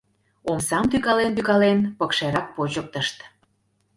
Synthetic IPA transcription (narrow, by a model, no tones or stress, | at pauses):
omsɑmt̪yɣɑlent̪yɣɑlenpəkʃeɾɑk̚pot͡ɕək̚t̪əʃt̪